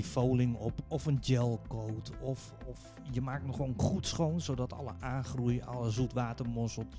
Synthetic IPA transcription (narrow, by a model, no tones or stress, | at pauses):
ifoːlɪŋɔpɔfənd͡ʒɛlˠkowtɔf | ɔ | jəmaːk̚tnɔxʋoːnχutsχoːnsowdɔtʰɑ̰lˠə̰ʔaːnxrujəɔ̰ləzutʋaːtərmʊsəl̩ˠ